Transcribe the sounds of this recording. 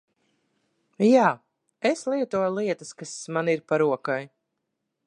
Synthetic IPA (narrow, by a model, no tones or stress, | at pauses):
jaː | eslˠiɛt̪uɔjlˠiɛt̪əskasmaniɾpaɾuɔkaj